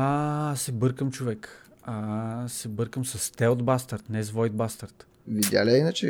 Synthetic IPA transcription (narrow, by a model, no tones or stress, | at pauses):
asɛbɤɾkəmt͡ʃovɛk | asɛbɤɾkəmsɐst̪ɛod̪bast̪aɾt̪nɛzvɔjd̪̚bast̪aɾt̪ | vid̪ja̰lʲɛinət͡ʃɛ